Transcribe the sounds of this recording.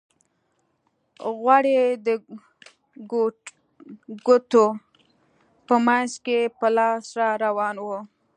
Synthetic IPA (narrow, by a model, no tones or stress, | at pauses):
ɣwaɽed̪ə | ɡʊt̪o | pəmanʃkepəlɑsɾɑɾawɑnwə